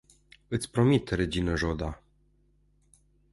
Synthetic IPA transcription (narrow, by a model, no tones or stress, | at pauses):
ɨt̪sʲpɾomit̪ɾed͡ʑinəʒod̪a